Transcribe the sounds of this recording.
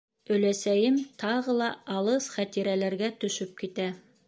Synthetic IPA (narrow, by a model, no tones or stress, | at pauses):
ɵ̆læsæjɘmt̪ʰɑʁɤlˠɑɑlˠɤsχæt̪iɾælæɾɡæt̪ɵ̆ʃɵp̚kit̪æ